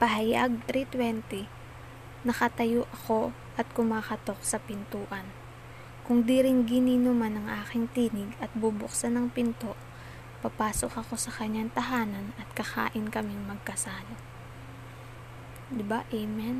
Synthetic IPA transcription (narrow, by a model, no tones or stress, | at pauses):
pɐɦɐjaɡ̚t̪ɾit̪wɛnt̪ɪ | nɐkɐt̪ɐjoʔɐko̞ | ʔɐt̪̚kʊmaːkɐt̪o̞k̚sɐpɪnt̪uːʔɐn | kʊŋd̪iɾɪŋɡɪniːnomanɐŋʔaːkɪŋt̪iːnɪɡɐt̪̚bubʊksanɐŋpɪnt̪o̞ʔ | pɐpaːso̞kɐko̞sɐkɐɲːaŋt̪ɐɦaːnɐnɐt̪̚kɐxa̰ːʔɪnkɐmɪŋmɐɡ̚kɐsaːlo | d̪ɪbaʔɛmɛn